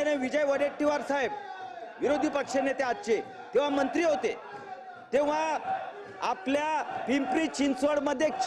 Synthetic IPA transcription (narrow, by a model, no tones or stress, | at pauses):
eneʋid͡ʑəjʋəɾek̚ʈiʋaɾsaɦeb̚ʋiɾod̪ʱiːpəkʂenet̪eat̪̚t͡ɕe | t̪eʋ̤amənt̪ɾiːɦot̪e | t̪eʋ̤a | apljapimpɾiːt͡ɕinsʋəɽməd̪ʱːjet͡ɕ